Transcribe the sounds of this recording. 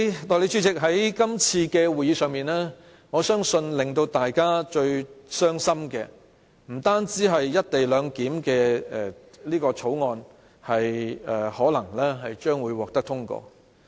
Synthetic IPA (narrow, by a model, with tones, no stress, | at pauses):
t̪ɔː˨˩le˨˧jt͡ʃʰyː˨˥t͡sɪ˨k̚ɦɐ˨˥jkɐ˥mt͡sʰiː˧kɛː˧wuː˨jiː˨˧sœː˨ŋmiː˨˩nlɛː˥ | ŋɔː˨˧sœː˥ŋsɵ˧nlɪ˨˩ŋt̪o˧wt̪aː˨jkaː˥t͡ʃɵ˧ɥsœː˥ŋsɐ˥mkɛ̰ː˧ | m̩˨˩t̪aː˥nt͡siː˨˥ɦɐ˨jːɐ˥t̚t̪e˨jlœː˨˧ŋkiː˨˥mkɛː˧ɛ˨˩liː˥kɔː˧t͡sʰo˨˥wŋɔː˧n | hɐ˨jɛː˨˩hɔː˨˥lɐ˨˩ŋlɛː˥ɦɐ˨jt͡ʃœː˥ŋwuː˨˧jwɔː˨k̚t̪ɐ˥k̚t̪ʰʊ˥ŋkɔ̰ː˧